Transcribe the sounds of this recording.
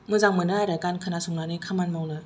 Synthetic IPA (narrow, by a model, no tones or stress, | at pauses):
mɯzaŋmɯnɯajɾɯkankʰɯnasuŋnanɯkʰamanmawnɯ